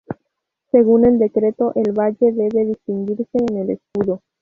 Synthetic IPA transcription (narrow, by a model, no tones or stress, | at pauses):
se̞ɣune̞ld̪e̞kɾe̞t̪oʔelβaʝe̞ðe̞βe̞ðist̪iŋɡiɾse̞ːneleskuðo